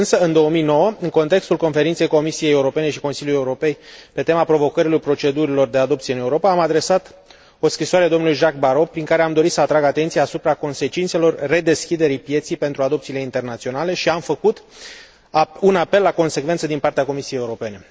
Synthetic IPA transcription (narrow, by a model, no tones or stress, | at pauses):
ɨnsəɨnd̪o̞wəmijno̞wəɨŋko̞nt̪e̞kst̪ulko̞nfe̞ɾint̪se̞jko̞misije̞jeuɾo̞pe̞ne̞ʃi̥ko̞nsilʲjulujeuɾo̞pe̞jpe̞t̪e̞mapɾo̞vo̞kəɾilo̞jpɾo̞t͡ʃe̞d̪uɾilo̞rd̪e̞ad̪o̞p̚t̪sijeɨne̞uɾo̞paːmad̪ɾe̞sat̪ | o̞skɾiswaɾed̪o̞mnulujʒak̚baɾo̞pɾiŋkaɾe̞amd̪o̞ɾit̪səat̪ɾaɡat̪ent̪iaːsupɾako̞nse̞t͡ʃint̪se̞lo̞rːe̞d̪e̞skʲid̪e̞ɾijpje̞t̪sijpe̞nt̪ɾuad̪o̞pt̪siːle̞int̪e̞rnat̪sio̞nale̞ʃiamfəkut̪ | unape̞lːako̞nse̞kvet̪səd̪inpart̪eako̞misijejeuɾo̞pe̞ne̞